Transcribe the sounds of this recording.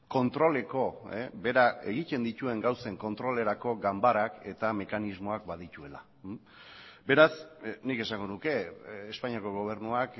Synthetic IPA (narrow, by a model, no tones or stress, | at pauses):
ko̞nt̪ɾo̞le̞ko̞ebe̞ɾae̞̰ɣ̞ic̪e̞nd̪it̪ue̞ŋɡawse̞ŋko̞nt̪ɾo̞le̞ɾako̞ɡambaɾake̞t̪ame̞kanizmo̞akbaðit̪ue̞la | be̞ɾasnike̞saŋɡo̞nuke̞ːspaɲiako̞ɣ̞o̞β̞e̞ɾnuak